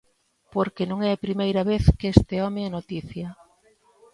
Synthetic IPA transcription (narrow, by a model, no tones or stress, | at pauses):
poɾkenõŋɛɐpɾimejɾɐβeθkeest̪eɔmeanot̪iθjɐ